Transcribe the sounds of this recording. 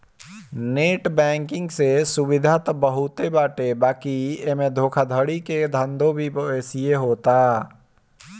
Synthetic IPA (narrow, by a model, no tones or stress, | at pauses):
neːʈbɛ̃ːŋkɪ̃ŋɡsesʊʋɪd̪ʱat̪bəɦʊt̪ebaːʈebaːkiemẽd̪ʱoːkʰad̪ʱəɽiked̪ʱə̃nd̪ʱõbʱipɛːsieɦoːt̪aː